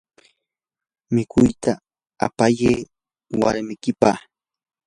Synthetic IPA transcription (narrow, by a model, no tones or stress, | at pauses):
mɪkʰʊjt̪a | a̰pajeː | wa̰ɾmɪkɪpa̰